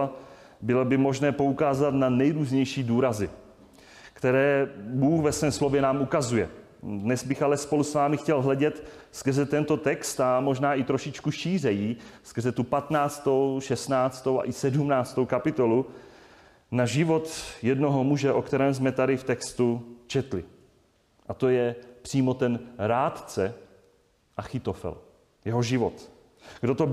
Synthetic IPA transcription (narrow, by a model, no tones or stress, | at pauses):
bɪlobɪmo̞ʒnɛːpo̞ukaːzat̪nanɛjɾuːzɲɛjʃiːduːɾazɪ | kt̪ɛɾɛːbuːxvɛsvɛːmslo̞vjɛnaːmukazujɛ | dnɛzbɪxalɛspo̞lusvaːmɪxcɛlɦlɛɟɛt̪skərzɛt̪ɛnt̪o̞t̪ɛkst̪amo̞ʒnaːʔɪt̪ɾoʃɪt͡ʃkuʃiːr̝ɛjiːskərzɛt̪upat̪naːt͡st̪o̞wʃɛst̪naːt͡st̪owa̰ʔɪsɛdumnaːt͡st̪o̞wkapɪt̪o̞lu | naʒɪvo̞t̪jɛdno̞ɦomuʒɛʔo̞kt̪ɛɾɛːms̬mɛt̪adɪft̪ɛkst̪ut͡ʃɛt̪lɪ̰ | ʔat̪o̞jɛpr̥iːmo̞t̪ɛnɾaːt̪t͡sɛ | ʔaxɪt̪ofɛ̰l | jɛɦoʒɪvot̪ | ɡdot̪o